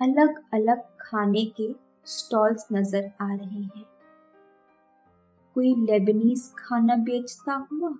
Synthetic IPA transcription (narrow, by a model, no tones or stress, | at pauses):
ɐləɡɐləɡ̚kʰaːneke | sʈɔːlsnɐzəɾaːɾɐɦeɦɛ̃ː | koːilɛːbɪniːskʰaːnabeːt͡ʃt̪aɦuaː